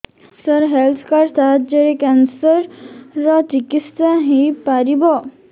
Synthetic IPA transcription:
səɾɦɛlt̪ʰkaɾst̪ʰat̪̚d͡ʑeɾekɛnsəɾːɔt͡ʃikist̪ãɦipaɾibɔ

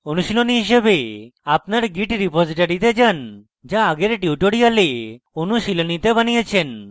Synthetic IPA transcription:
onuʃiloniɦiʃ̬ebeapnaɾɡiʈɾipod͡ʒiʈaɾit̪ed͡ʒan | d͡ʒaːɡeɾeʈiuʈoɽiale | onusilonit̪ebanijat͡ʃʰen

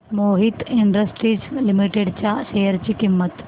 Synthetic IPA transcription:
moɦit̪iɳɖɾəsʈɾiːd͡zlimiʈeɖt͡ɕjaʃejəɾt͡ɕiːkimːət̪

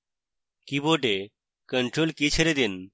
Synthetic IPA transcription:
kiboɖe | kəɳʈɾolkit͡ʃʰeɾed̪in

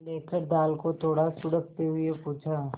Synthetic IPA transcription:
leːkəɾd̪aːlkot̪ʰoːɽasʊɽək̚t̪eɦʊepuːt͡ʃʰa

